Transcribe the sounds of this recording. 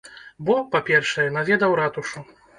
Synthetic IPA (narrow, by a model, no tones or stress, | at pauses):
bɔpapʲɛrʂɐjɛnavʲɛd̪ɐwɾat̪uʂu